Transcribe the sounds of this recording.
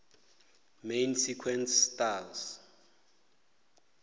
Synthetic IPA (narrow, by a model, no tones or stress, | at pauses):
mejnsikʰwɛnsːtals